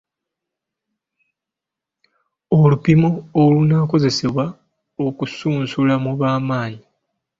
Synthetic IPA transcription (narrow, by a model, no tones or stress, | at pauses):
olupimoːlunaːko̞ze̞se̞βwa | o̞kusuːnsulamuβaːmaːɲi